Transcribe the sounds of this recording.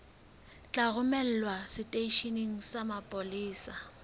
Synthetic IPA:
t͡ɬʼaɣʊmɛl̩lwasɪtʼeiʃiniŋ̩samapʼoliːsa

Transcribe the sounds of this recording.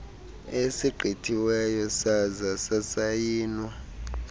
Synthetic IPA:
esiɡ͡ǃʱitʰiwɛjɔsazasasajiːnwa

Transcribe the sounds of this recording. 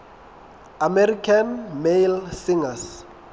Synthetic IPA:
amɛrikʰanmejlsiŋas

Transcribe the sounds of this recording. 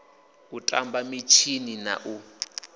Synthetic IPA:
utʼa̰mbamit͡ʃʰinina̰ʔu

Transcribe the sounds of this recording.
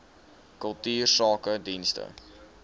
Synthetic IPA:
kəlˠtyːrsɑːkədinstə̰

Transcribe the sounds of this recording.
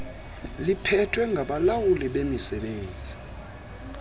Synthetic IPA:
lipʰɛtʰʼwɛŋɡʱaɓalawuliɓemisɛɓeːnd͡zʱi

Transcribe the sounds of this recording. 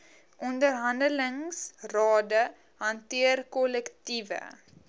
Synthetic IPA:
ʔɔndərɦɐndələŋsrɑːdə | ɦɐntiərkɔlɛktivə̰

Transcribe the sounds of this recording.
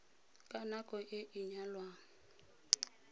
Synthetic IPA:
kʼanakʼɔʔɪʔɪɲalwaŋ̩

